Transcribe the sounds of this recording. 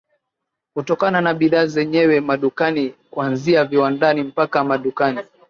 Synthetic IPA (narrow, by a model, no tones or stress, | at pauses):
kutɔkananaɓiðaːzɛɲɛwɛmaɗukanikuanziaviwandanim̩pakamaɗukani